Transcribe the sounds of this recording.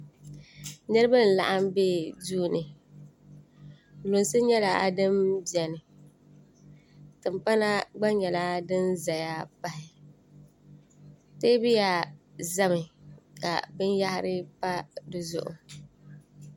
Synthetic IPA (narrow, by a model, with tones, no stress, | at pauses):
nɨ˦ɾɨ˦ba˦n̩˨la̰˨ʔa˦mbeː˦˨duː˦nɨ˨ | lʊ˨nsɨ˦ɲɛ˦la˨a˨dɨ˦mbi˨ɛ˨nɨ˨ | tɨ˨mpa˦na˦ɡ͡ba˦ɲɛ˨la˦dɨ˦nza˨ja˦pa˦hɪ˨ | te˦bɪ˦ja˨za˦mɪ˨ka̰˨bɨ˦nja˦hɪ˦ɾɪ˦pa˦dɨ˦zʊ̰˨ʔʊ̰˨